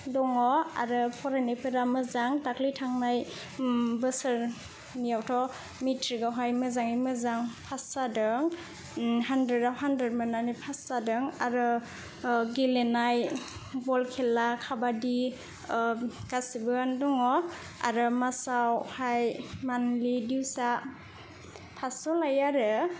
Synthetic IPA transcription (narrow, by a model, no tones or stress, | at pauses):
dɔŋɔa̰ɾɯpʰɔɾenipʰɯɾamɯzaŋtaklitʰaŋnaj | bɯsɯɾ | nijawtʰɔ | mitʰɾiɡawɦajmɯzaŋimɯzaŋpʰassadɯŋ | handedawɦandɾed̚mɯnanipʰassadɯŋaɾɯ | ɡilenajbɔlkʰelakʰabadi | kasibɯandɔŋɔ | a̰ɾɯmasawhajmanlidiwsa | pʰasɔlajaɾɯ